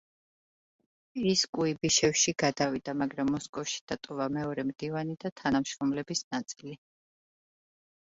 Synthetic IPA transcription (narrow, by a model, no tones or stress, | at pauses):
iskʼuibiʃɛfʃiɡ̥ad̪avid̪amaɡɾamːɔskʼɔfʃi̥d̪̥at̪ʼɔvamɛɔɾɛmd̪̥ivanid̪at̪ʰanamʃɾɔmlɛbisnat̪sʼili